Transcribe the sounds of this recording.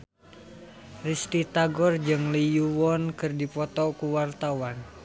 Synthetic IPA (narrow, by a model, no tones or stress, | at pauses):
rist̪it̪aɡɔrd͡ʒɨŋlijuwɔnkɨrdipɔt̪ɔkuwart̪awan